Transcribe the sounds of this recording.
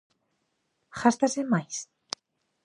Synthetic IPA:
xast̪asemajs

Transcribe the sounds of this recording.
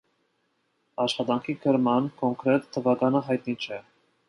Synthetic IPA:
ɑʃχɑt̪ɑŋkʰikʰəɾmɑnkʰɔŋkʰɾɛt̪ʰːəvɑɡɑnəɦɑjt̪̚nit͡ʃʰɛ

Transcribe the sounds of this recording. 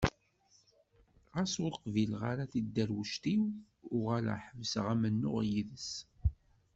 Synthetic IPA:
ʁæsʊɾqvilʁaɾaθid̪ːæɾwəʃt̪iw | ʊʁala̰ħəvsəʁæmənːʊ̰ʁjiðəs

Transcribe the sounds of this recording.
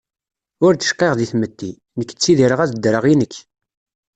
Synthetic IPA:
ʊɾd̪ə̥ʃqːeʁðiθmət̪ːi | nəkːə̥t͡sːiðiɾəʁæðd̪ːɾəʁinəkː

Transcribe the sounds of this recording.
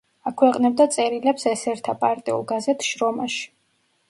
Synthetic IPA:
akʰwɛqʼnɛb̚d̪at̪sʼɛɾilɛpsɛsɛɾt̪ʰapʼaɾt̪ʼiṵlˠɡazɛt̪ʰʃɾɔmaʃi̥

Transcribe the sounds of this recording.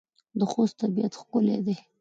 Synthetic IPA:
d̪əxost̪abijat̪xkʊlḛd̪e

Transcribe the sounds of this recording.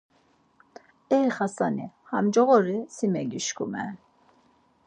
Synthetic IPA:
ɛɾχasanihamd͡ʒɔɣɔɾisimɛɡiʃkʰumɛ̰

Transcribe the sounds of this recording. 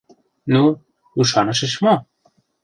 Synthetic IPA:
nu | uʃɑnɤ̆ʃə̆ʃmo

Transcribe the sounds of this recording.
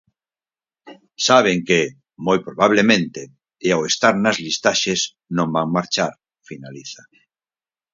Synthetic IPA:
saβ̞eŋke | mojpɾoβaβ̞lemẽnt̪eː | awest̪aɾnazlist̪aʃes | nõmbaŋmaɾt͡ʃaɾ | finaliθa

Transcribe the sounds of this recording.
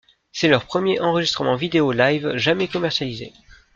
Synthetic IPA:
sɛlœʁpχəmjeʔɑ̃ʁəʒist̪χəmɑ̃vid̪eolajvʒamɛkɔmɛʁsjalizḛ

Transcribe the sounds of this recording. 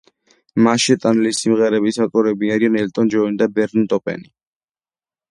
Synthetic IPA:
maʃɛt̪ʼanɛlisimʁɛɾɛbisat̪ʼɔɾɛbiaɾianɛlt̪ʼɔnd͡ʒɔinid̪abɛɾnt̪ʼɔpʼɛ̰ni

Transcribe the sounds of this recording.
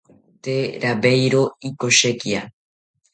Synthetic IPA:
t̪eɾaβejɾoikoʃekia

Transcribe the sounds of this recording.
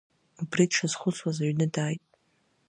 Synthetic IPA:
ubridʈ͡ʂʰaz̥χʷʊt͡sʰwazaɥnɨdaːjtʼ

